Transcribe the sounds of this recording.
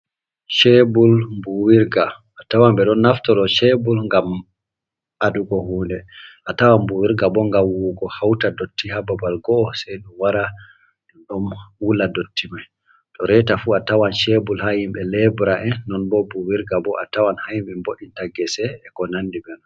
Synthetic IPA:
ʃɛbulmbuwiɾɡaʔːtawambɛɗɔnːaftɔɗɔʃɛbulŋɡam | ʔaduɡɔhuːndɛʔatawanbuwiɾɡabɔŋɡawuɡɔhawtadotːihababalɡɔːsɛjɗumwaɾa | ɗɔmwuladotʰːimaj | tɔɾɛtafuatawanʃɛbulhahimɓɛlɛbɾaʔɛnːɔnbɔbuwiɾɡabɔʔatawanhajimbɛmboɗːintaɡɛsɛːkɔnanːdibɛnɔ

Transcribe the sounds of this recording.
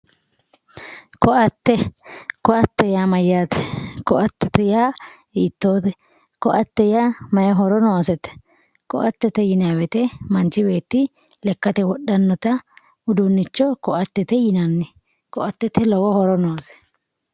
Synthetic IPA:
kɔʔɐt̪ːɛkɔʔɐt̪ːɛjamɐjːaːt̪ɛ̥kɔʔɐt̪ːɛt̪ɛjaː | iːt̪ːo̞ːt̪ɛ | kɔʔɐt̪ːɛjaːmɐjɔɦɔɾɔnoːsɛt̪ɛ̥ | kɔ̰ʔɐt̪ːɛt̪ɛjɪnawɛt̪ɛmɐnt͡ʃɪbe̞ːt̪ːɪ | lɛkːɐt̪ɛwɔɗːɐnːɔt̪ɐ | ʊd̪ʊnːɪt͡ʃːɔkɔʔɐt̪ːɛt̪ɛjɪnɐnːɪ | kɔʔɐt̪ːɛt̪ɛlɔwɔhɔɾɔnoːsɛ̥

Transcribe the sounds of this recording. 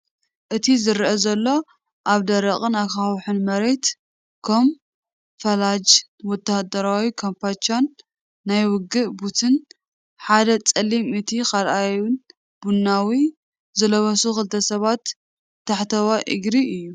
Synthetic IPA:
ʔɨt̪ʰizɨɾʔɐzɐlːo̞ | ʔaβd̪ɐɾɐχʼɨnakawħɨnmɐɾe̞t̪ | kʰom | fɐlad͡ʒ | wɔt̪ʰːahd̪ɐɾawikʰompat͡ʃanː | ajwʊɡɨʔbut̪ʰɨn | ħad̪ɐt͡sʼɐlːimɨt̪ʰikalʔajun | b̥unːawi | zɨlɐβɐsuxɨlt̪ʰɐsɐβat̪ː | aħt̪ʰɐwaʔɨ̰ɡɾiɨjːu

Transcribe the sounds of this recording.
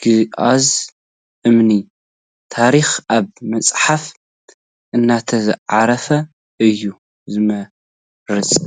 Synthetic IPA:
ɡ̥ɨʔaz | ʔɨmni | t̪ʰaɾixaβmɐt͡sʼħaf | ʔɨnːat̪ʰɐzɨʕaɾɐfɐ | ʔɨjːu | zɨmɐ | ɾɨt͡sʼ

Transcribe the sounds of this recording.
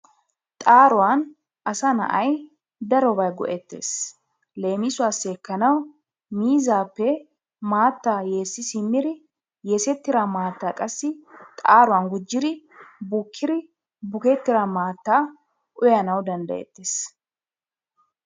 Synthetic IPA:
t̪ʼaːɾʊwan | ɐsɐnɐ̰ʔɐj | d̪ɐɾɔbɐjɡɔ̰ʔɛt̪ːḛːs | le̞ːmɪsʊwaːsːekːɐnɐw | miːzaːpːɛ | maːt̪ːaːjeːsːɪsɪmːɪɾɪ | jesɛt̪ːɪɾamaːt̪ːaːkʼɐsːɪt̪ʼaːɾʊwanɡʊd͡ʒːɪɾɪ | bʊkʰːɪɾɪ | bʊkɛt̪ːɪɾamaːt̪ːaː | ʔʊjɐnɐwd̪ɐnd̪ɐ̰jɛ̰t̪ːeːs

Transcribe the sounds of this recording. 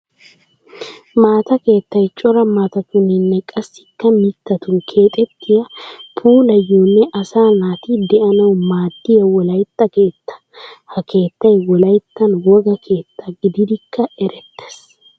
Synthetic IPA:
maːt̪ɐke̞ːt̪ːɐjt͡ʃʼɔɾɐmaːt̪ɐk̪ʊnːɛnːɛkʼɐsːɪ̥kːɐmɪt̪ːɐt̪ukʰe̞ːt̪ʼɛt̪ʰːɪjɐpʰuːlɐjːoːnːɛʔɐsaːnaːt̪ɪd̪ɛʔɐnɐwmaːd̪ːɪjɐwɔlɐjt̪ːɐke̞ːt̪ːɐ̥hɐkʰe̞ːt̪ːɐjwɔlɐjt̪ːɐnwɔɡɐkʰe̞ːt̪ʰːɐɡɪd̪ɪd̪ɪkʰːɐɛɾɛt̪ːɛ̥s

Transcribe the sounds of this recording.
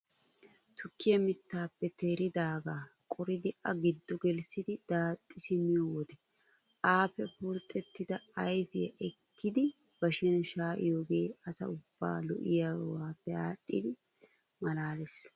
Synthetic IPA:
t̪ʊkːɪjɐmɪt̪ːaːpːɛt̪ʰeːɾɪd̪aːɡaː | kʼɔɾɪd̪ɪʔɐɡɪd̪ːɔɡɛlsɪd̪ɪd̪̥aːt̪ʼːɪsɪmɪjoːwɔd̪ɛ | ʔaːpɛpuɾt̪ʼːɛt̪ːɪd̪ɐɐjfɪjɐ̰ʔɛkːɪd̪ɪ | b̥ɐʃɛnʃaːʔɪ̰joːɡe̞ːɐsɐ̰ʊb̥ːa̰ːlɔ̰ʔɪjawaːpːɛaːɗːɪ̰d̪ɪ | mɐlaːlɛs

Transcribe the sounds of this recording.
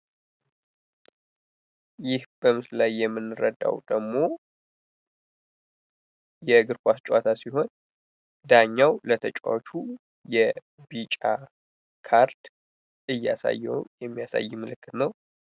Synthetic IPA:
jɪhb̥əmɨslajːɛmːɨnːɨɾəd̪a̰wd̪̥əɡmo̞ | jɛɡɨɾkʷast͡ʃʼwat̪ʰasiɦo̞n | d̪aɲːawlət̪ʰət͡ʃʼa̰t͡ʃʰu | jɛ | bit͡ʃʼa | kʰaɾd̪ | ʔɨjːasa̰jːɛjɛmːijasa̰jːɪmɨlɨkːɨt̪nəw

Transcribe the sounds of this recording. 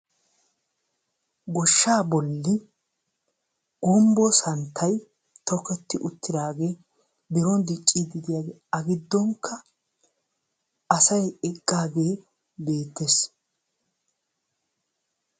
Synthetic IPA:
ɡɔʃːaːbɔlːɪ | ɡ̥ʊmbɔsɐnt̪ʰːɐj | t̪ɔkːɛt̪ːɪʔʊt̪ʰːɪd̪aːɡe̞ː | bɪɾɔnd̪ɪt͡ʃʼːid̪ɪd̪ɪjaːɡɛ | ɐɡɪd̪ːɔŋkʰːɐ | ɐsɐjɛkʼːaːɡeː | be̞ːt̪ːes

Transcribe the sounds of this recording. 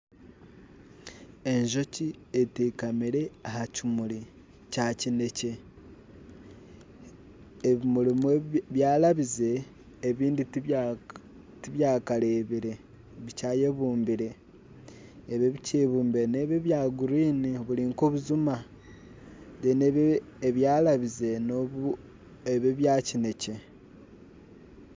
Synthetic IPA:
e̞ɲʒo̞cieteːkamiɾe̞ahacimuli | cacine̞ce̞ | βimulimweβjaːlaβize̞ː | βiːndi | tiβjaːkale̞βiɾe̞ | βicaːje̞βuːmbiɾe̞ | βeβiceβuːmbieneβeβjaːɡuɾiːniβuliŋkoβuzuma | deneː | βjaːlaβize̞noβu | eβeβjaːcine̞ce̞

